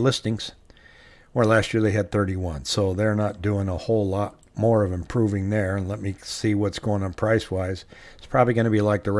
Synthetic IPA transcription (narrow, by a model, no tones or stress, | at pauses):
lɪstɪ̃ŋz̥ | wə˞læstjɪɹðeɪɨd̪̚θɜ˞ɾiwʌ̃nsoʊðə˞nət̚d̥ʉɪ̃ŋəhoʊlɔt̚mɔɹʌvɨ̃mpʰɹ̥uvɪ̃ŋðə˞ɨ̃nlɛt̚misiwʌtsɡ̥oʊɪ̃ŋə̃npʰɹ̥aɪswaɪz̥tspʰɹ̥ɑbəbliɡʌñɨbilaɪk̚ðə˞